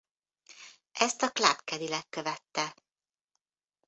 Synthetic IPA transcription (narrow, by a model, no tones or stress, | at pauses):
ɛst̪ɒkla̰pkɛd̪ilɛkːøvɛt̪ːɛ